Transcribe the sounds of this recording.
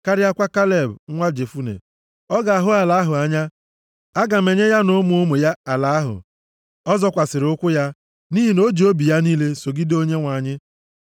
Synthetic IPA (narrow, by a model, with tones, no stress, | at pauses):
ka˦ɾɪ˦a˦kʷa˦ka˦le˨bŋʷa˦d͡ʒe˨fu˦nḛ˨ | ɔ˦ɡa˨a˨ɦʊ˦a˨la˦ɦʊ˨a˦ɲa˦ | a˦ɡa˨me˨ɲe˦ja˦no˦mu˨o˦mo˨ja˦a˨la˨a˦ɦʊ̰˨ | ɔ˦zɔ˦kʷa˨sɪ˨ɾʊ˦kʷʊ˦ja˦ | ni˦ɦi˨no˦d͡ʒi˨o˦bi˨ja˦niː˦le˦so˨ɡɪ˦do˦ɲe˦ŋʷa˨ɲɪ˦